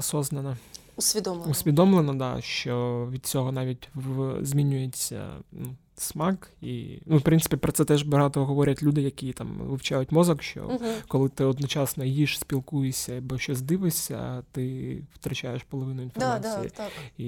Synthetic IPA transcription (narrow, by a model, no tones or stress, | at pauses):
ɔsɔznɐnɐ | usʲʋʲid̪lusʲʋʲid̪ɔmlˠenɐd̪ɑ̰ʃt͡ʃɔʋʲid̪̥̚t͡sʲɔɦɔnɑʋʲitʲʋzʲmʲinʲːʊjet͡sʲːɐ̰nu | smɑkḭnufpɾɪnsɨ̥pʲipɾɔt̪sɛt̪ɛʒbɐɦɑt̪ɔɦɔʋɔɾʲɐtʲlʲud̪ɪjɐkʲit̪ɑmʋɪwt͡ʃajʊtʲmɔzɐkʃt͡ʃɔ̰kɔlˠɪt̪ɪɔd̪nɔt͡ʃɑsnɔjiʃsʲpʲilˠkujesʲɐɐbɔʃt͡ʃɔzd̪ɪʋɪsʲɐ̰t̪ɪwt̪ɾɐt͡ʃajeʃpɔlˠɔʋɪnʊinfɔmaḭjḭi